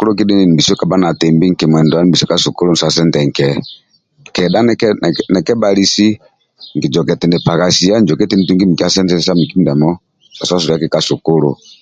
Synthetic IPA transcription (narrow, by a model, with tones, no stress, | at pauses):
ku˦lo˦k̬i˦di˦ni˨n˨bi˨sɔ˦ka˨ba˦na˨tɛ˨mbi˦ŋ̩˨kɛ˨m˨ɛ˨ndɔ˨a˦ni˨bi˨sɔ˦ka˦su˨ku˦lu˦n̩˨sa˨sɛ˦ntɛ˨ŋ̩˨kɛ˨ | ŋ˨kɛ˨da˦nɛ˦kɛ˦n˨nɛ˨kɛ˦ba˨li˦si˦ | ŋɡi˨d͡ʒɔ˨kɛ˨tɛ˨ndɛ˨pa˨ka˨si˦a˦n˨d͡ʒɔ˨kɛ˦tɛ˦ni˨tu˦ŋɡi˦mi˨ki˦a˦sɛ˦ntɛ˦sa˦mi˨ki˦m˨da˨mɔ˦˨ | sa˨sa˦s̬u˨a˦kɛ˨ka˦su˨ku˦lṵ˨